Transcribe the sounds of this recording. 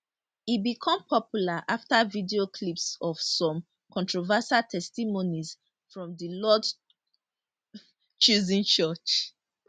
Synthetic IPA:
ibikʰɔ̃mpʰɔpjulaʔaftavidiokʰlipsɔv̥sɔ̃m | kʰɔ̃ntʰɹovasatʰɛstimoniz | fɹɔ̃mðilɔd | t͡ʃuzĩnt͡ʃɜt͡ʃ

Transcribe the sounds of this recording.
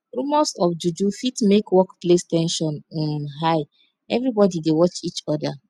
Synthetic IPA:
ɹumɔsɔfd͡ʒud͡ʒufitmekwɔkplestɛ̃nʃɔ̃n̩mɦaɪ | ɛvɾibɔdidewɔt͡ʃit͡ʃɔda

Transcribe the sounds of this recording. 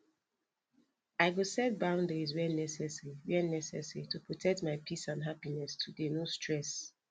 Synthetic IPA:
aɪɡosɛd̚bãʊ̃ndeizwɛlnɛsɛsɹiwɛnɛsɛ̰sɹitupʰɹɔtʰɛk̚tmaɪpʰisãnɦapinɛstʰudenostʰɹɛs

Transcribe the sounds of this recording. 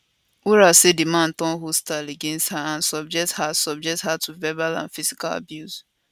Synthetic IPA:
uɾasedimãn̩tɔ̃nɦostaleɡẽnsthaãnsɔb̚d͡ʒɛk̚thasɔb̚d͡ʒɛk̚thatʰuvɛbalã̰nfizi̥kala̰bjus

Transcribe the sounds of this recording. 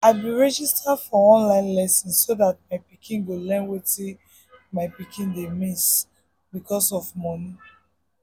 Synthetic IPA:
aɪbĩɹɛd͡ʒistʰadfɔɔ̃nlãɪ̃nlɛsɔ̃nssoðat̚maɪpikʰĩnɡolɛ̃nweti | maɪpikĩndemis | bikʰɔsɔvmɔni

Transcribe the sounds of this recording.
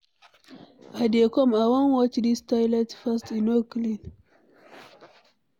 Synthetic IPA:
adekɔmawɔ̃nwɔt͡ʃdistajlɛtfastĩnoklĩn

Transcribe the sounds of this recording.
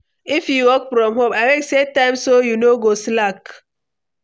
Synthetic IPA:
ifjuwɔkfɾɔmɦopaɪweksetãɪ̃msojunoɡoslak

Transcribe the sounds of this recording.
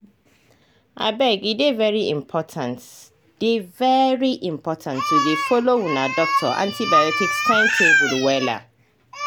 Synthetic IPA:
ʔa̰bɛɡidevɛɹiḭ̃mpʰɔtʰãnt | d̥evɛɹiʔĩmpʰɔtʰãntʰːudefolowũnadɔk̚tʰɔ̰ʔã̰ntʰibanetikssɛ̃ntʰebudwɛla̰

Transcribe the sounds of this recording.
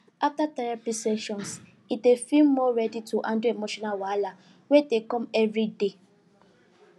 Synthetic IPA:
aftatɛɾɛpisɛʃɔ̃ns | idefilmɔɹɛdituʔãnduemoʃɔnalwala | wetekɔ̃mɛvɹide

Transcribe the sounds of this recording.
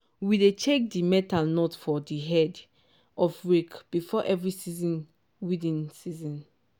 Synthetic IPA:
widet͡ʃek̚dimɛtalnotfɔdiɦɛd | ʔɔfwikb̥ifɔʔɛvɹisizĩn | widĩnsizɔ̃n

